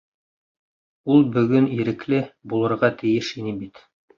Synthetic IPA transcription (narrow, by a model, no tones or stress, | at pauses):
ulˠbɵ̆ɡɵniɾɘ̆klɘbulˠɤ̆ɾʁɑt̪ɘ̆jɘʃinɘbit̪